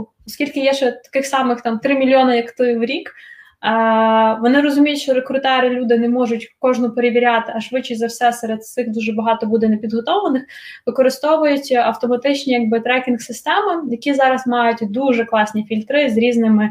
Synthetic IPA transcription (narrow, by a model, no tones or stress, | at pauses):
ɔskʲilʲkɪjɛʃɛt̪ɐ̥kɪxsɑmɪxt̪ɑmt̪ɾɪmʲilʲjɔnɐjɐkt̪ɪʋɾʲikː | ʋɔnɪɾɔzʊmʲijtʲʃt͡ʃɔɾekɾʊt̪ɛɾɪlʲud̪ɪnɛmɔʒʊtʲkɔʒnɔpeɾeʋʲiɾʲɑt̪ɪɐʃʋɪt͡ʃːɪjzɐwsɛsɛɾed̪̚ɪxd̪uʒɛbɐɦɑt̪ɔbud̪ɛnepʲid̪ɦɔt̪ɔʋɐnɪxʋɪkɔɾɪst̪ɔʋʊjʊtʲɐwt̪ɔmɐt̪ɪt͡ʃnʲijɐɡ̚bɪt̪ɾɛkʲinksɪst̪ɛmɪjɐkʲizɑɾɐsmɑjʊtʲd̪uʒɛklˠɑsʲnʲifʲilʲt̪ɾɪzɾʲiznɪmɪ